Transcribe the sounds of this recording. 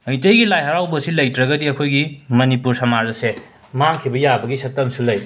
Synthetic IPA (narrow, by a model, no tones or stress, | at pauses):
ɐjtɐjɡilajɦɐɾawbɐsilɐjtɾɐɡɐdiɐkʰojɡimɐnipuɾsɐmaɾɐse | maŋkʰibɐjabɐɡisɐtɐmsulɐj